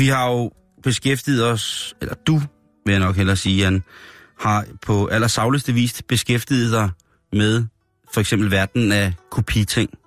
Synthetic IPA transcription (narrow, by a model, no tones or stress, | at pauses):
ʋihɑ̈jo̝ | b̥e̝sɡ̥efd̥iːð̞̩ˠɒ̽selɐd̥u | ʋe̝jaɪnɒ̽ɡ̥ɦelɐsiːæn | hɑ̈pʰɒ̽ʔælɐsɑ̈ʊləsd̥əʋḭːsd̥b̥e̝sɡ̥efd̥ið̩ˠdɑ̈ɪ | með̞ˠ | fɒ̽eɡ̥semb̥l̩ʋæɐd̥n̩ækʰopʰit͡sʰeŋ̰